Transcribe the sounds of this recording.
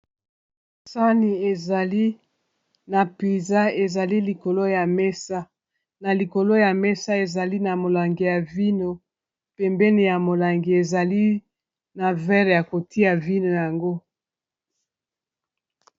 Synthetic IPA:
sa˦ni˨e˨za˨li˦ | na˨pi˨za˦e˨za˨li˦li˨ko˨lo˦ja˨mɛ˦sa˦ | na˨li˨ko˨lo˦ja˨mɛ˦sa˦e˨za˨li˦na˨mo˨la˨ŋɡi˨ja˨vi˦no˨ | pɛ˨mbɛ˦ni˨ja˨mo˨la˨ŋɡi˨e˨za˨li˦ | na˨vɛ˦ʁja˨ko˨ti˦a˨vi˦no˨ja˨ŋɡo˦

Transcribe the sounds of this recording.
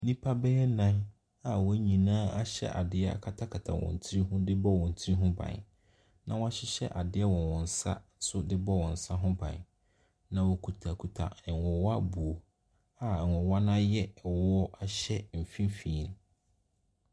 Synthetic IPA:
nĩ˦pʰa˦bɛ˦ɛ˦nã˦n | a˨wɔ˦ɲĩ˨nãː˦a˦ɕɛ̰˦ʔa̰˨dɪ˦ɛ˦a̰˨kʰa˦tʰa˦kʰa˨tʰa̰˨wɔ̰̃˨n˨tʰi˦ɾi˦ɦũ˦dɪ˦bɔ˦wɔ̃˨n̩˨tʰi˦ɾi˦ɦũ˦bã̰˨n | nã˨wɔ˦a˦ɕɪ˦ɕɛ̰˦ʔa˨dɪ˦ɛ˦wɔ̃˨nwɔ̃˨n̩˨sa̰˦sʊ˦dɪ˦bɔ˦wɔ̃˨n̩˨sa˦ɦʊ̃˦bã̰˨n | nã˨wɔ˨kʰu˨tʰa˨kʰu˨tʰa̰˨wɔ˨wa˦bu˨o˨ | a˨wɔ˨wa˦nã˦jɛ˦˨wɔ˦a˦ɕɛ˦m̩˨fĩ˦m˦fĩː˨˦n

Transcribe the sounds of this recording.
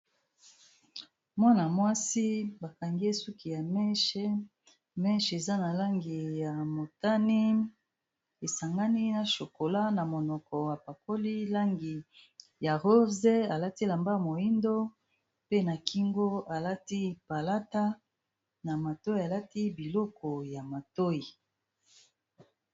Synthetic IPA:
mwa˦na˨mwa˦si˦ba˨ka˨ŋɡe˦su˦ki˨ja˨mɛ˦ʃe˦ | mɛ˦ʃe˨za˦na˨la˦ŋɡi˨ja˨mo˨ta˦ni˦ | e˨sa˨ŋɡa˦ni˦na˨ʃo˨ko˨la˦na˨mo˨nɔ˨kɔ˨wa˨pa˨ko˦li˦la˦ŋɡi˨ | ja˨ʁo˦ze˦a˨la˦ti˦la˨mba˦mo˨i˦ndo˦ | pe˦na˨ki˦ŋɡo˦a˨la˦ti˦pa˨la˦ta˦ | na˨ma˨to˦i˦˨a˨la˦ti˦bi˨lɔ˦kɔ˨ja˨ma˨to˦i˨

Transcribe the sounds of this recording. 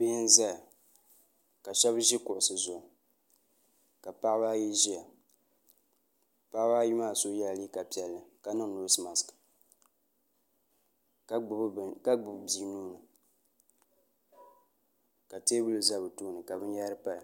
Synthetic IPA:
bɪ˦hɪ˦nza˦˨ | ka˨ʃɛ˦bʒi˦kʊ˨ʔʊ˨sɨ˨zʊ˨ | ka˨pa˦ʔbaː˦ji˦ʒi˦a˨ | pa˦ʔbaː˦ji˦maː˦˨so˦ja˦lli˦ka˨pi˨ɛ˨lːɨ˨ka˨nɨ˦ŋ˨no˨˦sɨ˦ma˨skɨ̥˨ | kka˦ɡ͡bʊ˨bbi˨˦nuː˦nɨ˨ | ka˨teː˦bu˦lɨ˨za˦bɨ˨tuː˦nɨ˨ka˨bɨ˦n˦ja˦ɾɨ˦pa˦˨

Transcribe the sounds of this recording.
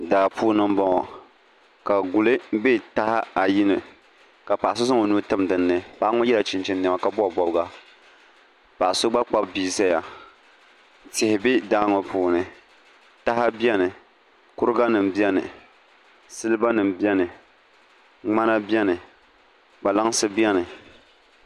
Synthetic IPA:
daː˨puː˦nɨ˦m˦bɔ˦ŋɔ˨ | ka˨ɡu˨lɨ˦be˦ta˦ha˦a˨ji˦nɨ˨ | ka˨pa˨ʔa˨sʊ˦s̬ɨ˦ŋo˨nuː˦tɨ˦mdɨ˨nːɨ˨pa˨ʔa˦ŋɔ˦jɛ˦la˨t͡ʃɪ˨nt͡ʃɪ˦n˦n˨ɛ˨ma˨ka˦bɔ˦˨bɔ˨bɡa˦ | pa˨ʔa˨sʊ˦ɡ͡ba˦k͡pa˦bbiː˦sa˦ja˨ | tɪ˨hɪ˨bɪ˦daː˦ŋɔ˨pʰuː˨nɨ˨ | ta˦ha˦bjɛ˦nɨ˨ | kʊ˦ɾɨ˦ɡa˦nɨ˨m˨bi˦ɛ˦nɨ˨ | sɨ˦lɨ˦ba˦nɨ˨m˨bi˦ɛ˦nɨ˨ | ŋ͡ma˦na˦bi˦ɛ˦nɨ˨ | ɡ͡ba˨la˦ŋ˦sɨ˦bi˦ɛ˦nɨ˨

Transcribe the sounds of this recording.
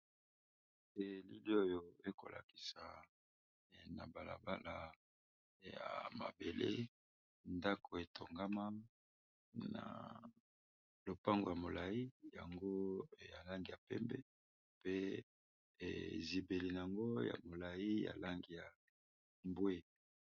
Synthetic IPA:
ɛ˨li˦li˦o˦jo˨e˦ko̰˨lʔa̰˨ki̥˨sa˨ | na˨ba˨la̰˨ba˦la˨ | ja̰˨ma̰˨be˨lḛ˦ | nda˦ko˨e˨tʰo˨ŋɡa˦ma˦ | na̰˨ | lo˨pa˦ŋɡo̰˨ja˨mo˨la˨i˦ja̰˨ŋɡo˦ja˨la˦ŋɡi˨ja˨pɛ˦mbɛ˦ | pḛ˦˨ | zi˨be˨li˨na˨a˨ŋɡo˦ja̰˨mo˨la˨i˦ja̰˨la˦ŋɡi˨ja˨ | mbwe˦

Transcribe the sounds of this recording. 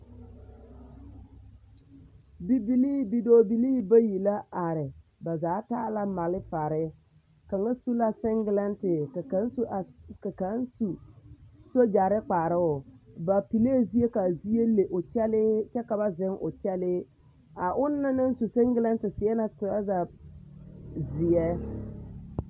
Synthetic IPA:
bi˦bi˦liː˦˨bi˦doː˦bi˨liː˦ba˦ji˨la˦a˨ɾɪ˨ba˨zaː˨˦ta˦la˦ma˨lɪ˦fa˨ɾɪ˦ | ka˨ŋa˦su˦la˦sɪ˦ŋɡɪ˦lɛ˦ntɪ˨ka˨a˨˦nsʔa˨ka˨ka˨˦n˦su˨ | so˦d͡ʒa˨ɾɪ˦k͡pa˨ɾɪ˦ʊ˨ba˨pi˨le˦˨zi˦e˦ka˨zi˦e˦le˨ʔʊ˨t͡ʃɛ˦lɪ˦t͡ʃɛ˦ka˨ba˦zɪ˦ŋʔʊ̰˨t͡ʃɛ˦lɪ˦ | a˨ʔʊ˦nːa˦nɪ˦n˦su˨sɪ˦ŋɡɪ˦la˦ntɪ˨sɪ˨ɛ˦na˨tʊ˨ɾa˦za˨ | zɪ˨jɛ˦

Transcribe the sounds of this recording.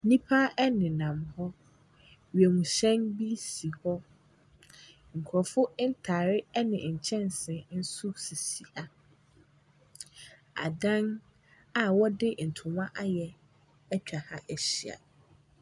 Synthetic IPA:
nĩ˦pʰa˦ɛ˦nɪ̃˨nã˨mhɔ˦ | ɥi˨ɛ˨mũ˨ɕɛ̃˦nbi˦si˨hɔ˦ | ŋ̩˨kʰʊ˨ɾɔ˨fʊ˦n̩˦tʰaː˨ɾɪ˦ɛ˦nɪ̃˨ɲ̩˨t͡ɕʰɛ̃˦n˨sɛ̃˨n̩˦su˦si˨si˨a˨ | a̰˨dã˦n | a˨wɔ˦dɪ˦˨n̩˨tʰʊ̃˨mã˦ʔa˦jɛ˨ | ɛ˦t͡ɕᶣa˨ha˦ʔæ˨ɕi˨a̰˨

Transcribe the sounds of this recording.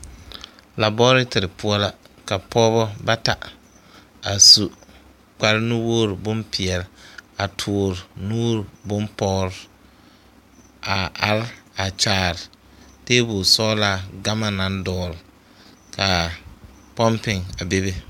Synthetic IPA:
la˨bɔː˦ɾɪ˦tɪ˨ɾɪ˨pʊ˦ɔ˦la˦ | ka˨pʰɔː˦bɔ˦ba˦ta˨ | a˨su˨ | k͡pa˨ɾɪ˦nʊ˦woː˦ɾbʊ˦mpɪ˨ɛ˨lɪ˨a˨tʰʊː˨ɾɪ˨nuː˦ɾbʊ˦mpɔː˦ɾɪ˦ | a˨a˨ɾɪ˦a˨t͡ʃaː˨ɾɪ˨ | teː˦bʊ˨sɔː˦la˦ɡa˦ma˦na˨˦n˦dɔː˦˨ɾɪ˨ | kʰa˨ | pɔ˦mpɪ˨ŋa˨be˦be˦

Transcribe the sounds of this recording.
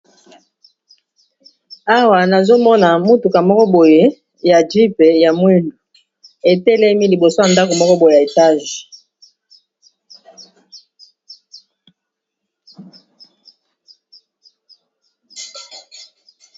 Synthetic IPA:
a˦wa˨na˨zo˦mɔ˦na˨mu˦tu˨ka˨mɔ˦kɔ˦bo˨je˨˦ | ja˨di˦pe˨ja˨mwi˦ndu˨ | e˨tɛ˦lɛ˦mi˦li˨bo˨so˦ja˨nda˦ko˨mɔ˦kɔ˦bo˨je˨ja˨e˨ta˦ʒi˨

